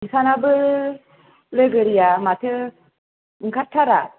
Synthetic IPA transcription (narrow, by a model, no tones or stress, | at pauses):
ŋ̩sanabə | ləɡəɾijamatʰə | ŋ̩katʰːaɾa